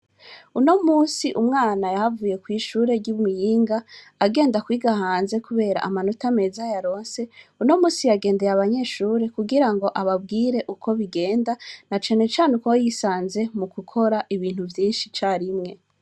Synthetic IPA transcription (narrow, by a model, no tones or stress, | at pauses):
uno̞muːsiʔumŋaːnajaɦavuːje̞kwiːʃuːɾe̞ɾɟuβmijiːŋɡaː | ɡe̞ːndakwiːɡahaːnze̞kuβe̞ːɾa̰ʔamanotame̞zajaɾo̞ːnse̞uno̞muːsijaɡeːnde̞ɾaβaɲe̞ːʃuːɾe̞kuɡiɾaŋɡo̞ʔaβabɡiːɾe̞ʔukʰo̞βiɡe̞ːndanat͡ʃane̞t͡ʃaːnekwojisaːnze̞mukukʰo̞ɾaʔiβiːnhuvjiːnʃit͡ʃaːɾimŋe̞